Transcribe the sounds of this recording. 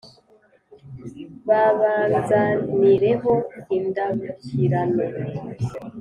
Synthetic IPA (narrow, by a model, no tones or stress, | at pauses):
βaβaːnzaniɾe̞ɦo̞indaβuciɾano